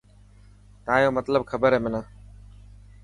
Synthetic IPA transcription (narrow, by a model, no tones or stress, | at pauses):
t̪əãːjoːmət̪ləbkʰəbəɾɦeːmɪnãː